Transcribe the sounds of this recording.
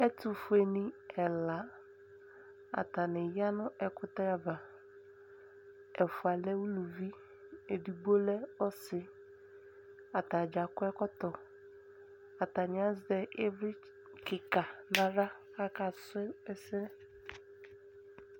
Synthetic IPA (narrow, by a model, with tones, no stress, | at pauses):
ɛ˦tʊ˨fu˨˦e˨ni˦ɛ˨la˨˦ | a̰˨ta˨nɪ˨ja˦nʊ˦ʔɛ˨kʊ˦ta˦ɾa˨ba˨ | ɛ˨fu˨a˨lɛ˦wu˦lu˨vi˦ | e˨di˨ɡ͡bo˦lɛ˦ɔ˦sɪ˨ | a˨ta˨d͡ʒa˨kʊ˦ɛ˦kɔ˦tɔ˨ | a˨ta˨ɲ˨a˦zdɛ˦ʔe˦vɾi˦ | kɪ˨ka˨na˨ɾa˦ka˦ka˨sʊ˦ɛ˦ɛ˦sɪ˦nɛ˦